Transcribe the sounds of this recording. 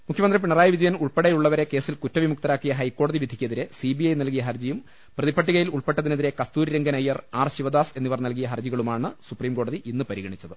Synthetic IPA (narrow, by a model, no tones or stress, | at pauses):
mukʰjɐmɐnd̪rip̬iɳɐraːjiʋid͡ʑɐjɐmuɭpeɽejuɭːɐʋɐɾe̞ke̞ːsilkutːɐʋimuk̚t̪ɐɾaːkːijɐɦɐjkːo̞ːɽɐðiʋid̪ʱikʲːɐðiɾesibiɐjnɐlkijɐɦɐrd͡ʑɐjum | prɐðipʰːɐʈːiɣɐjiluɭpeʈːɐðine̞ðiɾe̞kɐst̪uːɾiɾeŋɡɐnɐjːɐraːrɕiʋɐd̪aːse̞nːiʋɐrnɐlk̬ijɐɦɐrd͡ʑiɣɐɭumaːɳɨsupriːmko̞ːɽɐðiʔinːɨpɐɾiɣɐɳit͡ɕːɐðɨ